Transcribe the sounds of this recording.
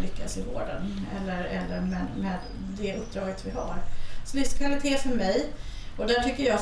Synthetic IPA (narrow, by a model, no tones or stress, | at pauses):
lʏkːasɪvo̰ːɖə̰nɛ̰lːəɾɛlːəɾmɛnmeːd̪ː | ɛʔɵp̚ːd̪ɾɑːɡət̪vɪɦaɾsɔlʏfskʰvalɪt̪ʰeːfœɾmɛjɔd̪æʈʰʏkːəjɑː